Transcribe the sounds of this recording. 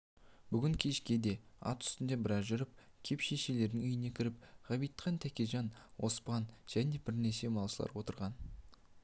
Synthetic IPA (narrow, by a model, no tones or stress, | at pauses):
b̥ʏɡʲɪŋkʲʰe̞ʃkʲe̞d̪e̞ɑ̰t̪ʏ̥st̪ɪnd̪e̞bɪɾɑzʒʏɾəp̚ | kʲʰe̞pʃeʃe̞le̞ɾd̪ɪŋʏjɪne̞kʲʰɪɾɪp̚ʁɑbijt̪qʰɑnt̪ʰækʲeʒɑnwo̞spɑnʒ̥æne̞bɪɾne̞se̞mɑlˠsəlˠɑ̰ɾwo̞t̪əɾʁɑn